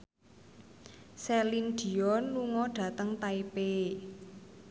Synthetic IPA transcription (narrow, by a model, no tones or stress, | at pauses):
sɛlind̪̥i̤ɔnluŋɔɖ̥ä̤t̪əŋt̪aipe